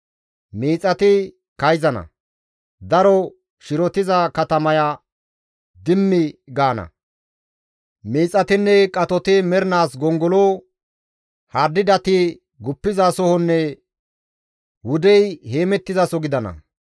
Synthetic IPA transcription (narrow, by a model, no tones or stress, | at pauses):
miːt͡sʼɐt̪ɪ | kɐjzɐnɐ̰ | d̪ɐɾɔ | ʃɪɾɔt̪ɪzɐkɐt̪ɐmɐja | d̪ɪmːɪɡaːnɐ̰ | miːt͡sʼɐt̪ɪnːɛkʼɐt̪ɔt̪ɪmɛɾɪnaːsɡɔŋɡɔloː | hɐɾd̪ɪd̪ɐt̪ɪ | ɡʊpːɪzasɔhɔnːɛ | wʊd̪ɛjhe̞ːmɛt̪ːɪzɐsɔɡɪd̪ɐnɐ̰